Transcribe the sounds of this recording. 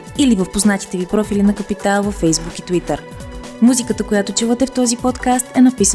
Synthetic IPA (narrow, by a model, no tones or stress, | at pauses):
ilivəfpoznat̪i̥t̪ɛvipɾɔfilinɐkəpit̪alˠvəfːɛjzbukit̪vit̪əɾ | muzikət̪əkojat̪ot͡ʃuvət̪ɛft̪ɔzipɔt̪kast̪ɛnɐpisə